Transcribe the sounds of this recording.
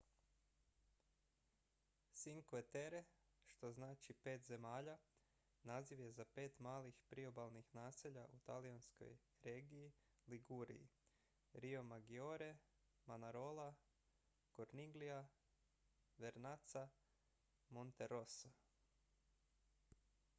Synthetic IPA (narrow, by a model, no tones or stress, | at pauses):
siŋkoet̪eɾe | ʃt̪o̞znaːt͡ʃipe̞ːt̪ze̞maːʎa | naːziʋje̞zape̞ːt̪maːlixpɾio̞balˠnixnaːseʎaʔut̪aliansko̰j | ɾeːɡiji | liɡuɾḭḭ | ɾio̞maɡio̞ɾe | manaɾo̞la | koɾniɡlija | ʋe̞ɾnat̪sa | mont̪eɾosa